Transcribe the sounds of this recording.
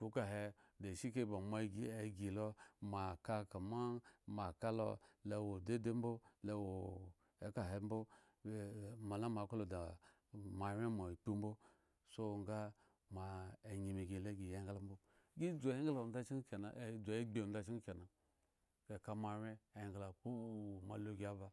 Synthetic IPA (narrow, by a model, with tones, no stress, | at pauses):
ku˨˦ka˨ɦe˧de˨ʃi˦ke˦ba˨ma˦ɡi˨e˨ɡi˨lo˦ma˨ka˧ka˨ma˦ma˨ka˦lo̰˦le˨wo˨de˦de˦m˦bo˦le˦wo˨ | e˨ka˨ɦe˨˦m̩˦bo˦˨ | ma˨la˦ma˨ko˦lo˨da˨ | ma˨˦ɾʲe˦ma˨k͡pu˦m˦bo˦ | so˦ŋ˦ɡa˦ | ma˨e˨ɲi˨mi˨ɡi˨le˦ɡi˨je˦ɡla˦m˦bo˦ | ɡi˦d͡zo˨je˦ŋɡla˨n˦a˦t͡ʃi˦ŋ˦ke˨na˨˦d͡zɡ͡be˨˦da˦˨t͡ʃi˦ŋ˦ke˨na˨ | ke˨ka˧ma˨ɾe˦e˨ŋɡla˨ku˦˨˦ma˨lo˦ɡʲi˨˦a˦ba˨